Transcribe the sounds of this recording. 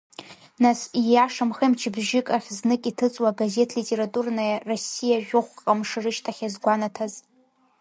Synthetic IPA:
nasijaʂamχemt͡ʃʰɪbʒɪkʼaχʲznɨkʼitʰɨt͡sʼwaɡaze̞tʰlitʼe̞ɾatʼurnajarosijaʒʷᶣʊχʷqʼqʼamʂɨrɨʃtʰaχʲazɡʷanatʰaz

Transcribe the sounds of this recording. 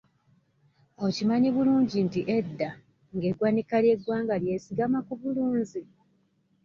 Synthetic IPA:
ocimaɲiβuluːɲɟintiʔe̞dːa | ŋɡe̞ɡwanikalje̞ɡwaːŋɡalje̞ːsiɡamakuβuluːɲzi

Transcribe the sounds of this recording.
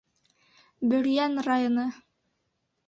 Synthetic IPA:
bɵ̆ɾjænrajonɤ

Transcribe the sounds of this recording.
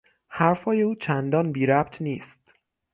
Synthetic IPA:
hæɾfhɒːjeuːt͡ʃʰænd̪ɒːnbiːɾæbt̪ʰniːst̪

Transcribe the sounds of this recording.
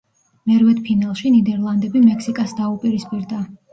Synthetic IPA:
nɛɾvɛd̪pʰinalˠʃinid̪ɛɾlˠand̪ɛbimɛkʰsikʼasd̪aupʼiɾispʼiɾd̪a

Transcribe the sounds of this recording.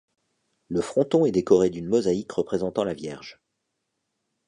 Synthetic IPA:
ləfχɔ̃t̪ɔ̃ɛd̪ekɔʁed̪ynmɔzaikʁəpχezɑ̃t̪ɑ̃lavjɛʁʒ

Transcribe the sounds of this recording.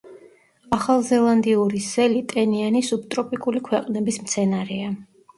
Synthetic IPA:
aχalˠzɛlˠand̪iuɾisɛlit̪ʼɛnianisup̚t̪ʼɾɔpʼikʼulikʰwɛqʼnɛbismt̪sʰɛnaɾɛa

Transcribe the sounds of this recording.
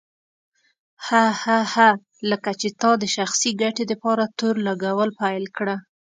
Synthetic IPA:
hahaha | ləkat͡ʃet̪ɑd̪əʃaxsiɡaʈed̪əpɑɾat̪oɾlaɡawəlpajlkɽa

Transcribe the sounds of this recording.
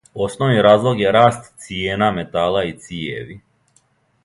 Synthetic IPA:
o̞snoʋniɾaːzlˠo̞ɡjeɾaːst̪sijeːnamet̪aːlˠait̪sijeʋi

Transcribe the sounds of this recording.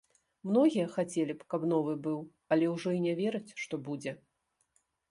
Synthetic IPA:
mnɔɣʲijɐxat͡sʲelʲipkapnɔvɨbɨw | ɐlʲɛwʐɔinʲɛvʲɛɾɐt͡sʲʂt̪ɔbud͡zʲɛ

